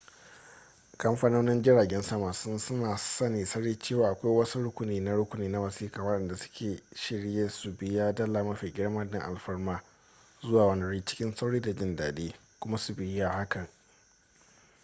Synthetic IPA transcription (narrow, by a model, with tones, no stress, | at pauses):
kɐ˦mɸaː˦noː˦nɪ˦nd͡ʒɪ˦ɽaː˨ɡʲɛ˦nsɐ˦maː˨sʊ˦nsʊ˦naː˨sɐ˦niː˨sɐ˦ɽiː˦t͡ʃeː˦˨waː˨ʔa˨kʷa˦jwɐ˦su˦ɽʊ˦kʷʊ˨niː˨na˦ɽʊ˦kʷʊ˨niː˨na˦wɐ˨siː˦kaː˨wɐ˦ɗɛ˨nda˨sʊ̥˦kʲʰeː˨ʃɪ˦ɽjeː˦su˨bɪ˨jaː˦dɐ˦laː˨mɐ˦ɸiː˨ɡʲɪ˦ɽmaː˦dɪ˦ŋʔa̰˨lɸɐ˦rmaː˦ | zʊ˦waː˨wɐ˦nɐ˨ɽiː˦t͡ʃɪ̥˦kʲɪ˦nsa˦wɽiː˦da˨d͡ʒɪ˦ndaː˨deː˦ | kʷʊ˦ma˦su˨bɪ˨ja˦ha˦kɐ˨ŋ